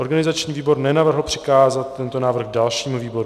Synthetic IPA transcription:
o̞ɾɡanɪzat͡ʃɲiːviːbo̞ɾnɛnavr̩ɦl̩pr̝̥ɪ̥kaːzat̪ːɛnt̪o̞naːvr̩ɣdalʃiːmuviːbo̞ɾu

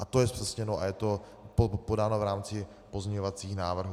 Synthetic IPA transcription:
ʔat̪ojɛspr̥ɛsɲɛnoʔa̰jɛt̪o̞ | popo̞daːnovɾaːmt͡sɪ | po̞zɲɛɲovat͡siːxnaːvr̩ɦu

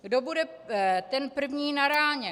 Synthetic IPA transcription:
ɡdobudɛ | t̪ɛnpr̩vɲiːnaɾaːɲɛ

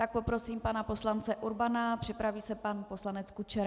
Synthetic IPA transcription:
t̪ak̚po̞pɾo̞siːmpanapo̞slant͡sɛʔuɾbanapr̝̥ɪpɾaviːsɛpanpo̞slanɛt͡skut͡ʃɛɾ

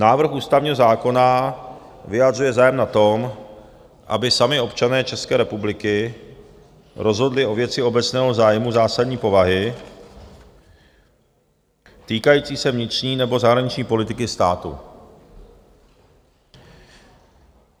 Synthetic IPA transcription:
naːvɾ̩xʔuːst̪avɲiːɦo̞zaːko̞na | vɪjad̪rujɛzaːjɛmnat̪o̞m | ʔa̰bɪsamɪo̞pt͡ʃanɛːt͡ʃɛskɛːɾɛpublɪkɪ | ɾo̞zɦo̞dlɪʔo̞vjɛt͡sɪo̞bɛt͡snɛːɦo̞zaːjmuzaːsadɲiːpo̞vaɦɪ | t̪iːkajiːt͡siːsɛvɲɪt̪r̝̥ɲiːnɛbo̞zaɦɾaɲɪt͡ʃɲiːpo̞lɪt̪ɪkɪst̪aːt̪ṵ

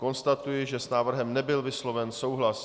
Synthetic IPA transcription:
ko̞nst̪at̪ujɪʒɛsnaːvr̩ɦɛmnɛbɪlvɪslo̞vɛnso̞wɦlas

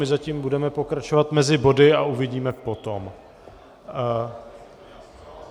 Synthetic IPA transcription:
ɪzaciːmbudɛmɛpo̞kɾat͡ʃovat̪mɛzɪbo̞dɪauvɪɟiːmɛpo̞t̪om

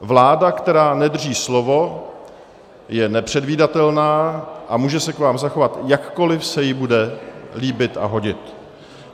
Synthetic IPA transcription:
vlaːdakt̪ɛɾaːnɛd̪r̩riːslovo̞ | jɛnɛpr̝̥ɛdviːdat̪ɛlnaːʔamuːʒɛsɛkvaːmzaxovat̪jakːo̞lɪfsɛjɪbudɛliːbɪt̪a̰ɦo̞ɟɪt̪

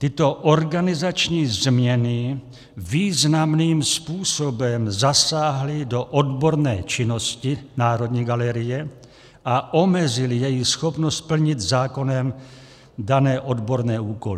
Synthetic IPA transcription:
t̪ɪt̪o̞ʔoɾɡanɪzat͡ʃɲiːzmɲɛnɪ | viːznamniːmspuːsobɛmzasaːɦlɪdo̞ʔodbo̞ɾnɛ̰ːt͡ʃɪno̞scɪnaːɾo̞d̪ɲiːɡalɛɾɪjɛ | ʔaʔomɛzɪlɪjɛjixsxopnost̪̚pl̩ɲɪt̪zaːko̞nɛm | danɛːʔodbo̞ɾnɛːuːkolɪ

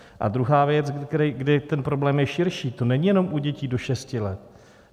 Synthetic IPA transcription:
ʔa̰d̪ɾuɦaːvjɛt͡sɾɡdɪt̪ɛnpɾo̞blɛːmjɛʃɪɾʃiːt̪o̞nɛɲijɛno̞mʔuɟɛciːdo̞ʃɛscɪlɛt̪̚

